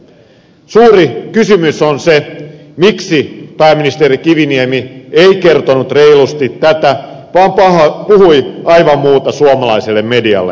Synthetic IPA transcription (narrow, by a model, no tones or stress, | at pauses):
suːrikysymysonse | miksipæːmːinist̪eːrikiʋiniemieikert̪onut̪reilust̪it̪tːæt̪æ | ʋɑːmpɑhpuhuiɑiʋɑmmuːt̪ɑsuomɑlɑiselːemmediɑ̰lːḛ